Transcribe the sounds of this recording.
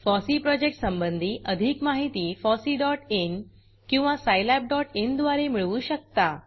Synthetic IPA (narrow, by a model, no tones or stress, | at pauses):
fɔsiːpɾɔd͡ʑek̚ʈsəmbənd̪ʱiːʔəd̪ʱikmaɦit̪iːfɔsiːɖɔʈen | kĩw̃ʋasajlɛp̚ɖɔʈend̪ʋaɾemiɭʋuːɕək̚t̪a